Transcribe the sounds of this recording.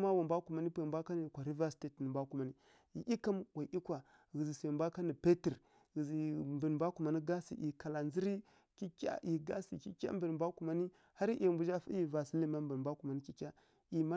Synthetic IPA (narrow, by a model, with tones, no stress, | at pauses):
ma˦wa˨mbʷa˦ku˨ma˨ni˦pmbʷa˦ka˦ni˨kʷa˨ɾi˦va˦si̥˨˦te˦tnə˨mbʷa˦ku˨ma˨ni˦ | i˨ʔi˦ka˦mwa˨ʔi˦kwa˨ | ɣi˨zi˨sa˨mbʷa˦ka˦ni˨pe˦ti˨ɾ | ɣi˨zi˨mbə˨n˨mbʷa˦ku˨ma˨ni˦ɡa˦sḭ˨ʔi˨ka˨la˨nzi˦ɾi˦ | ki˦kʲa̰˦ʔi˨ɡa̰˦sḭ˨ki˦kʲa̰˦mbə˨n˨mbʷa˦ku˨ma˨ni˦ | ha˦ɾi˦ʔi˨mbu˨d͡ʒa˦fa̰˦ji˨va˨si˦li˦ma˦mbə˨mbʷa˦ku˨ma˨ni˦ki˦kʲa˦ | i˨ma˦